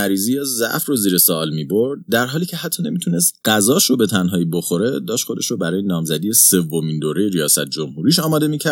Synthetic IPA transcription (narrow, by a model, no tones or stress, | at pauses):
æɾiːzijɒzæ̰ʔfroziːɾesɒlmiːboɾd̪̚d̪æɾɦɒːliːcʰe̞hæt̪ʰːɒːne̞miːt̪ʰunest̪ɢ̥æzɒːʃɾobet̪ʰænɦɒːibo̞xo̞ɾe̞d̪ɒːʃtxo̞d̪e̞ʃɾobæɾɒːje̞nɒːmzæd̪ijese̞vːo̞miːnd̪oːɾe̞jeɾijɒːsæt̪̚ʰd͡ʒo̞mhuːɾiːʃɒːmɒːd̪e̞miːcʰæ